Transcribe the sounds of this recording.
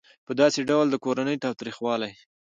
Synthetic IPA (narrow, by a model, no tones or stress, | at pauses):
pəd̪ɑseɖawld̪əkoɾanəjt̪ɑwt̪ɾixwɑlaj